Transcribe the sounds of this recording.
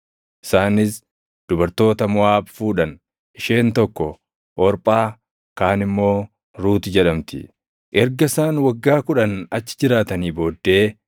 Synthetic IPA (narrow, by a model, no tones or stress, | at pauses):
ʔɪsaːnɪs | d̪̥ʊbɐɾt̪o̞ːt̪ɐmʊaːbfuːᶑɐn | ʔɪʃe̞ːnt̪ɔkːɔ | ʔɔɾpʼaː | kaːnɪmːo̞ː | ɾuːt̪ɪd͡ʒɛᶑɐmt̪ɪ̰ | ʔɛɾɡɐsaːnwɐɡːaːkʊᶑɐnɐt͡ʃːɪ̥d͡ʒɪɾaːt̪ɐniːbo̞ːd̪ːe̞ː